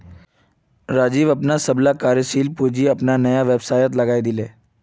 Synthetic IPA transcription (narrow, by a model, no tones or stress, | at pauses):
ɾaːd͡ʒiːʋɐpnasɐblakaːɾjəʃiːlpuːd͡ʒiɐpnanɐjaʋebsaːjət̪̬lɐɡaːid̪ɪleː